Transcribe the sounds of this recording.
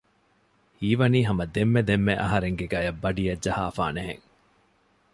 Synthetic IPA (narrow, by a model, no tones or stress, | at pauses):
hiːʋɐniːɦɐmɐd̪emːed̪emːeʔɐ̰ɦɐɾeŋɡeɡaːjɐbːɐɖijɐd͡ʒɐhaːfa̰ːneɦḛŋ